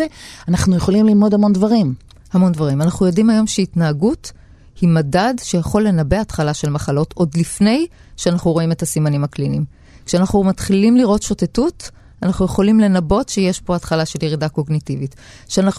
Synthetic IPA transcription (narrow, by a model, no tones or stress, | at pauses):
eanaχnujeχo̞limlilmo̞dhamo̞ndvaʁim | hamo̞ndvaʁimanaχnujo̞dimajo̞mʃeitnaːɡut | himadadʃejaχo̞lːe̞nabe̞atχalaʃe̞lmaχalo̞to̞dlifne̞j | ʃeanaχnuʁo̞ime̞tasimanimaklinim | kʃeanaχnumatχilimliʁo̞tʃo̞tetut | anaχnujeχo̞limle̞nabo̞tʃejeʃbo̞atχalaʃe̞ljeʁidako̞ɡnitivit | ʃeanaχ